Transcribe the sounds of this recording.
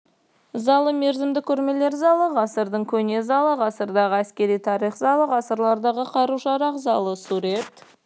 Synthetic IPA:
zɑlˠəme̞ɾzɪmd̪ɪkʲʰɵɾme̞le̞ɾzɑlˠəʁɑsəɾd̪əɴkʲʰɵne̞zɑlˠəʁɑsəɾd̪ɑʁəæskʲe̞ɾijt̪ʰɑɾijχzɑlˠəʁɑsəɾlˠɑɾd̪ɑʁəqʰɑɾuʃɑɾɑqzɑlˠəsuɾet̪

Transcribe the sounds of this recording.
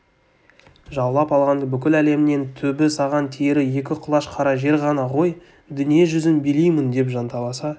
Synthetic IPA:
ʒɑlˠlˠɑpɑlˠʁɑnd̪əbʏkʲɪlæle̞mɪne̞nt̪ʰɵbɪsɑʁɑnt̪ʰeɾɪje̞kʲɪqʰʊlˠɑʃqʰɑɾɑʒe̞ɾʁɑnɑʁo̞j | d̪ʏnije̞ʒʏzɪnbelijmɪnd̪e̞pʒɑnt̪ɑlˠɑsɑ

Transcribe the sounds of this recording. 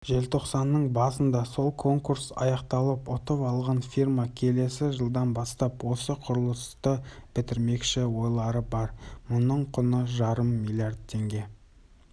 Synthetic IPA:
ʒe̞lt̪ʰo̞qsɑnːəɴbɑsənd̪ɑso̞lˠkʰo̞ŋkuɾsɑ̰jɑqt̪ɑlˠəpʊt̪əpɑlˠʁɑnfirmɑkʲʰe̞le̞sɪʒəlˠd̪ɑnbɑst̪ɑpwo̞səqʰʊɾəlˠəst̪əb̥ɪt̪ɪɾme̞kʃɪwo̞jlˠɑɾəbɑɾmʊnəɴqʰʊnəʒɑɾəmːilʲˠjard̪̚t̪ʰːe̞ŋɡʲe̞

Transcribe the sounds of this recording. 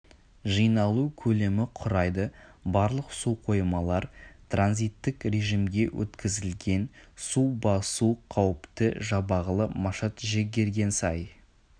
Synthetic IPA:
ʒijnɑlˠukʲʰɵle̞mɪqʰʊɾɑjd̪əbɑɾlˠəqsuqʰo̞jəmɑlˠɑɾt̪ʰranzijt̪ːɪkre̞ʒimɡʲe̞wʔɵ̰t̪kʲɪzɪlɡʲe̞nsubɑsuqʰɑwəpt̪əʒɑbɑʁəlˠəmɑʃɑt̪ʒe̞ɡʲe̞ɾɡʲe̞nsɑj

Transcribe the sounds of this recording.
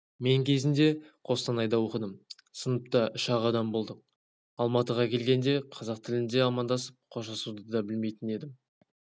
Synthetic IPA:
me̞ŋkʲʰe̞zɪnd̪e̞qʰo̞st̪ɑnɑjd̪ɑwo̞qəd̪əm | sənəp̚t̪ɑʔʏʃɑʁɑd̪ɑmbo̞lˠd̪əq̚ | ɑlˠmɑt̪əʁɑkʲʰe̞lɡʲe̞nd̪e̞qʰɑzɑq̚t̪ʰɪlɪnd̪e̞ɑmɑnd̪ɑsəp̚qʰo̞ʃɑsud̪əd̪ɑbɪlme̞jt̪ɪne̞d̪ɪm

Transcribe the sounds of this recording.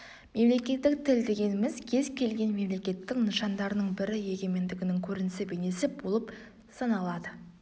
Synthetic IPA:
me̞mle̞kʲe̞t̪ːɪk̚t̪ʰɪld̪e̞ɡʲe̞nɪmɪzkʲʰe̞zkʲʰe̞lɡʲe̞nme̞mle̞kʲe̞t̪ːɪknəʃɑnd̪ɑɾənəɴbɪɾɪje̞ɡʲe̞me̞nd̪ɪɡʲɪnɪŋkʲʰɵɾɪnɪsɪbene̞sɪbo̞lˠəp | sɑnɑlˠɑd̪ə

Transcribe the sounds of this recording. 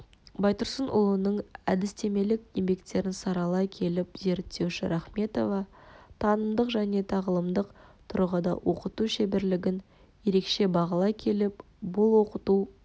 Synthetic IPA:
bɑjt̪ʊɾsənʔʊ̰lˠənəɴæd̪ɪst̪e̞me̞lɪkʲjembe̞kt̪ːe̞ɾɪnsɑɾɑlˠɑjkʲʰe̞lɪpze̞ɾt̪ːe̞wʃɪɾʔɑχme̞t̪o̞vɑt̪ʰɑnəmd̪əqʒæne̞t̪ʰɑʁəlˠəmd̪əqt̪ʰʊɾəʁəd̪ɑ̰wo̞qət̪uʃebɪɾlɪɡʲɪn | je̞ɾe̞kʃe̞bɑʁɑlˠɑjkʲʰe̞lɪp̚ | bʊlˠwo̞qət̪u

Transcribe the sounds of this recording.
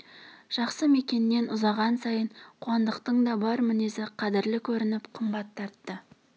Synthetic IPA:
ʒ̥ɑqsəme̞kʲe̞nːe̞nʔʊzɑʁɑnsɑjəɴqʰʊɑnd̪əqt̪əɴd̪ɑbɑɾmɪne̞zɪqʰɑd̪ɪɾlɪkʲʰɵɾɪnɪpqʰəmbɑt̪ʰːɑɾt̪ːə

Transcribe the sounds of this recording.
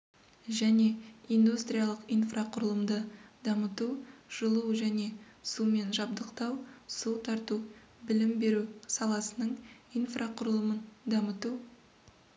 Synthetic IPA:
ʒæne̞ijnd̪ust̪ɾʲijalˠəqijnfraqʰʊɾəlˠəmd̪əd̪ɑmət̪uʒ̥əlˠuʒæne̞sume̞nʒɑbd̪əqt̪ɑwsut̪ʰɑɾt̪u | bɪlɪmbe̞ɾusɑlˠɑsənəɴijnfrʔaqʰʊɾəlˠəmənd̪ɑmət̪u

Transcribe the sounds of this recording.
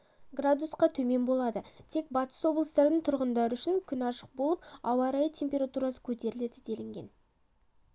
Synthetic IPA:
ɡrad̪usqɑt̪ʰɵme̞nbo̞lˠɑd̪ət̪ʰe̞k̚bɑt̪ə̥swo̞blˠəst̪ɑɾənəɴt̪ʰʊɾʁənd̪ɑɾəʏʃɪŋkʲʰʏnɑʃə̥q̚bo̞lˠəp̚ɑwɑɾɑjət̪ʰe̞mpʲe̞ɾat̪uɾɑsə̥kʲʰɵt̪e̞ɾɪle̞d̪ɪd̪e̞lɪŋɡʲe̞̰n

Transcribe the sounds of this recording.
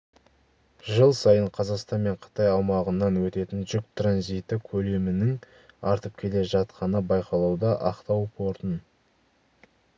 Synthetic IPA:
ʒəlˠsɑjəɴqʰɑzɑqst̪ɑnme̞ɴqʰə̥t̪ɑjɑwmɑʁənːɑnwɵt̪e̞t̪ɪnʒʏk̚t̪ʰranzijt̪ɪkʲʰɵle̞mɪnɪŋ | ɑɾt̪əp̚kʲʰe̞le̞ʒɑt̪qʰɑnəbɑjqɑlˠɑwd̪ɑʔɑqt̪ɑwpʰo̞ɾt̪ən

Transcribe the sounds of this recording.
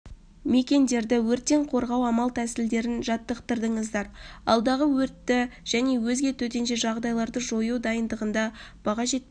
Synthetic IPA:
me̞kʲe̞nd̪e̞ɾd̪ɪwɵɾt̪ːe̞ɴqʰo̞ɾʁɑwɑmɑlˠt̪ʰæsɪld̪e̞ɾɪnʒɑt̪ːəqt̪əɾd̪əɴəzd̪ɑɾɑ̰lˠd̪ɑʁəwɵɾt̪ːɪʒ̥æne̞wɵzɡʲe̞t̪ʰɵt̪e̞nʃe̞ʒɑʁd̪ɑjlˠɑɾd̪əʒo̞jud̪ɑjənd̪əʁənd̪ɑb̥ɑʁɑʒe̞t̪̚ː

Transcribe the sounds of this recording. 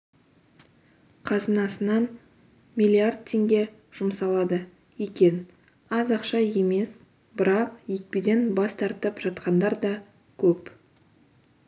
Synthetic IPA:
qʰɑzənɑsənɑn | mʲijlʲiard̪̚t̪ʰːe̞ŋɡʲe̞ | ʒ̥ʊmsɑlˠɑd̪ə | jekʲe̞n | ɑzɑqʃɑje̞me̞s | bɪɾɑqjek̚pid̪e̞nbɑst̪ɑɾt̪əpʒ̥ɑt̪qɑnd̪ɑɾd̪ɑ | kʲʰɵp

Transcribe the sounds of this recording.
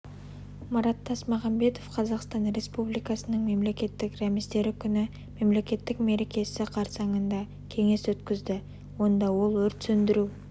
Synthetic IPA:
mɑɾɑt̪ʰːɑsmɑʁɑmbe̞t̪o̞fqʰɑzɑqst̪ɑnɾe̞spublijkɑsənəɴme̞mle̞kʲe̞t̪ːɪkɾæmist̪e̞ɾɪkʲʰʏnɪ | me̞mle̞kʲe̞t̪ːɪkme̞ɾe̞kʲe̞sɪqʰɑɾsɑɴənd̪ɑ | kʲʰe̞ŋe̞swɵt̪kʲɪzd̪ɪ | wo̞nd̪ɑwo̞lˠwɵɾt̪sɵnd̪ɪɾu

